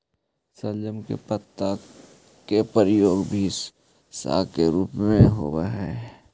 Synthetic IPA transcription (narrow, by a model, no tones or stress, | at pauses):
səld͡ʒəmkḛpət̪ːa | kepəɾɪjoːɡbʱi | sa̰ːkeɾuːpmẽɦo̰ːbaɦɛ